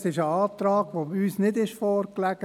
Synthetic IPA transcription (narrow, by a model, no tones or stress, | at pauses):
sɪʃəɑːft̪ɾɑːɡʋoːbyːsnɪdɪʃfɔːɾklæɡ̥ə